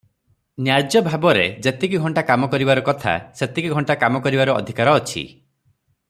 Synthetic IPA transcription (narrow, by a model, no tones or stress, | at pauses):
njaɾd͡ʒjɔbʱabɔɾed͡ʒet̪ikiɡʱɔɳʈakamɔkɔɾibaɾɔkɔt̪ʰa̰set̪ikiɡʱɔɳʈakamɔkɔɾibaɾuɔ̰d̪ʱikaɾɔːt͡ʃʰḭ